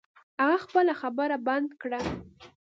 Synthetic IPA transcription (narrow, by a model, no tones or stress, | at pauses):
haɣaxpəlaxabəɾaband̪kɽa